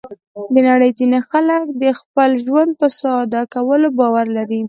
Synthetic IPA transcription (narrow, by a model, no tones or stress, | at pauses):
d̪ənaɽəjt̪inaxaləkd̪əxpəlʒwand̪̚pəsɑd̪akawəlobɑwaɾlaɾi